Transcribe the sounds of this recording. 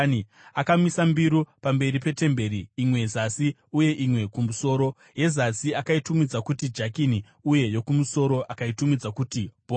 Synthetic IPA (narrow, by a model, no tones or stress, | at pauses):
i | akamisambiɾupambe̞ɾipe̞te̞mbe̞ɾiːmwe̞zasi | uje̞ʔimwe̞kumuso̞ːɾo̞ | je̞zasiakaitumid͡zakutid͡ʒakini | uje̞jo̞kumuso̞ɾo̞ʔakaitumid͡zakutib̥ʱo